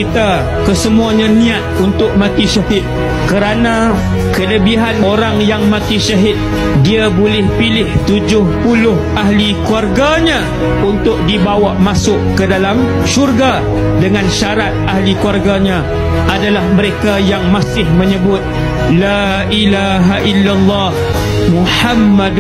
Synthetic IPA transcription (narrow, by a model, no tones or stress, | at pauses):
kit̪a | kəsəmuaɲãnĩat̪̚unt̪ʊk̚mãk̪iʃaɦɪt̪̚ | kəɾana | kələbiɦanoɾaŋjaŋmãkiʃaɦɪt̪̚ | diabolɪhpilɪht̪ud͡ʒʊhpulʊhʔaɦlikuarɡaɲã | unt̪ʊk̚dibawaʔmasʊʔkədalam | ʃurɡa | dəŋãnʃaɾat̪̚ahlikuwarɡaɲã | ʔadalahmə̃ɾekajaŋmasɪhmə̃ɲəbʊt̪̚ | la | ʔilaɦaʔilːalːɑh | muħamːad